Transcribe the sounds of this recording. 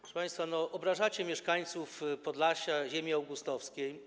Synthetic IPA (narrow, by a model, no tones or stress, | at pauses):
ɾɔʂəpãj̃st̪fanɔʔɔbɾaʐat͡ɕɛmʲjɛʂkaɲt̪sufpɔd̪laɕaʑemʲiawɡust̪ɔfskʲej